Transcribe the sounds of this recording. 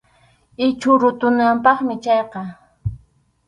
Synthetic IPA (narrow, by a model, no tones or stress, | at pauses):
ɪt͡ʃʊɾʊt̪ʊnampɑχmɪt͡ʃɑjqɑ